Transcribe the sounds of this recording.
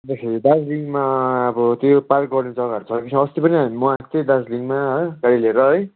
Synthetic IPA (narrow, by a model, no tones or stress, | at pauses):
d̪esʰeid̪ad͡zliŋɡmaʌbʌt̪jopalɡʌrned͡zʌɡaʌɾut͡sʰʌkisʰʌʌst̪ipʌniamuãt̪ed̪ad͡zliŋɡmaɦʌɡaɽileɾʌɦʌj